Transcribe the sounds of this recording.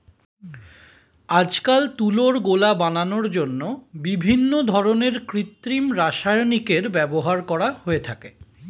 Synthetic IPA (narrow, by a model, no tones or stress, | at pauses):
ad͡ʑkalt̪uloɾɡolabananoɾd͡ʑonːobibʱinːod̪ʱɔɾoneɾkɾit̪ːɾimɾaʃajonikeɾbɛboɦaɾkɔɾahoet̪ʰake